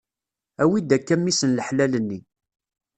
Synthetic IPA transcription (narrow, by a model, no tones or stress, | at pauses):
æwid̪ækːæmːisənləħlælənːi